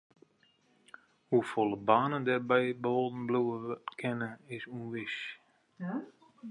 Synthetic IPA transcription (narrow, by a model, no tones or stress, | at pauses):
hufolˠəbaːnəndɛrbɛjbəolˠdn̩bluəkʰɛnəɪsunʋɪʃ